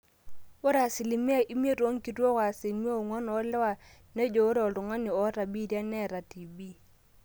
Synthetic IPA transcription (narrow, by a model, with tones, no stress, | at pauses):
o˦ɾa˨sɪ˨li˨mi˦a˦˨ʔi˦m˦e˦ɾo˦ŋ̩˦ki˨tɔ˦ka˨si˨mi˦a˦o˨ŋwɔ˦nɔ˨˦lɛ˦wa˨ | ne˦d͡ʒo˨˦ɾe˨ɔ˨lʊ˨ŋa˦nɪ˨ɔ˨˦ɾa˨bi˦dja˦nɛ˦˨ɾa˨ti˨bi˦